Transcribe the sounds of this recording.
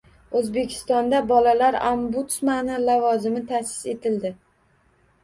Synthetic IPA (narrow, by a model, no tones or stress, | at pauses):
ɵzbe̞kʲʰɪ̥st̪ɒnd̪abɒlalaɾambut̪smanɪlavɒzɪmɪt̪ʰasɪ̥se̞t̪ʰɪld̪ɪ